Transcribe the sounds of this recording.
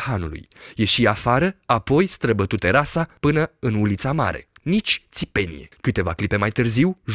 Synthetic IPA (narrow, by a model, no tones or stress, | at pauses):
hanṵlṵjje̞ʃiafaɾəapo̞jst̪ɾəbət̪ut̪eɾasapɨnəɨnulit̪sama̰ɾe̞̰nit͡ʃʲt̪sipe̞nḭje̞̰kɨt̪e̞va̰klipe̞majt̪ɨrziwʒ